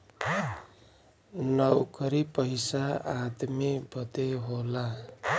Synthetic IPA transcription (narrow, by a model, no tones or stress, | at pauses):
nʌwkʌɾipʌjsaad̪mibʱʌt̪eɦola